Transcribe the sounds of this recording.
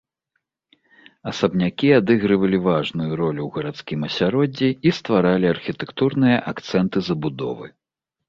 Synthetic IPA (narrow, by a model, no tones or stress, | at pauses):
ɐsɐbnʲakʲiad̪ɛɣɾɨvɐlʲivaʐnujuɾɔlʲuwɣɐɾat̪skʲimɐsʲaɾɔd͡zʲiist̪vaɾalʲiɐrxʲit̪ɛkt̪urnɨjɐʔakt̪sɛnt̪ɨzɐbud̪ɔ̰vɨ